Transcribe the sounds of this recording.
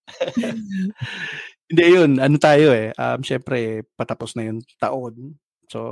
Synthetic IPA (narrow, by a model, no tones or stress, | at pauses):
hɪnd̪ɛjonʔɐnot̪aːjoɛʔɐ̰mʃɛmpɾɛpɐt̪ɐposnɐjont̪ɐʔon | so̰